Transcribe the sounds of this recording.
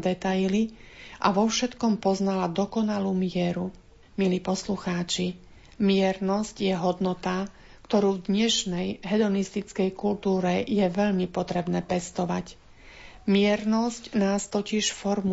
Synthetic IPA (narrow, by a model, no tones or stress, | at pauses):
d̪ɛt̪ajli | ʔa̰ʋɔfʃɛt̪kɔmpɔznalad̪ɔkɔnaluːmɪɛɾu | miliːpɔsluxaːt͡ʃi | mɪɛɾnɔscjɛɦɔd̪nɔt̪a | kt̪ɔɾuːvd̪ɲɛʃnɛjɦɛd̪ɔnist̪it͡skɛjkult̪uːɾɛjɛʋɛʎmipɔt̪ɾɛbnɛːpɛst̪ɔʋa̰c | mɪɛɾnɔscnaːst̪ɔciʃfɔɾmu